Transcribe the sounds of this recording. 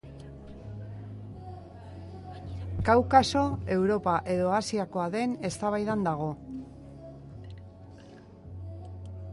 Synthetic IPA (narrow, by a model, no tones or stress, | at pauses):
kawkaso̞e̞wɾo̞paʔe̞ðo̞asiako̞aðe̞ne̞st̪aβajðand̪aɣ̞o̞